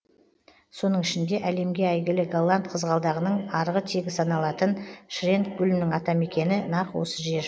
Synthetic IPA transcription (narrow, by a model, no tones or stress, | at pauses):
so̞nəɴɪʃɪnd̪e̞ʔæle̞mɡʲe̞æjɡʲɪlɪɡalˠːant̪̚qʰəzʁɑlˠd̪ɑʁənəɴɑɾʁət̪ʰe̞ɡʲɪsɑnɑlˠɑt̪ənʃrʲe̞nt̪̚ɡʲʏlɪmnɪŋɑt̪ɑme̞kʲe̞nɪnɑqwo̰səʒe̞